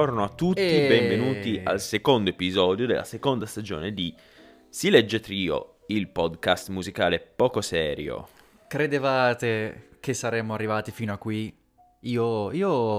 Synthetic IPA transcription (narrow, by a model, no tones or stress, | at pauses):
ornoat̪ːut̪ːibɛɱvenuːt̪ia̰lsekond̪oepizɔːd̪jod̪ḛlʔa̰sekond̪ast̪ad͡ʒɔ̰ːned̪i | silɛd͡ʒːet̪ɾiːo̰ | ilpɔd̪kast̪muzikaːlepɔːkosɛːɾjo̰ | kɾed̪evaːt̪ekesːaɾɛːmoarːivaːt̪ifiːnoakːwi | iːoiːo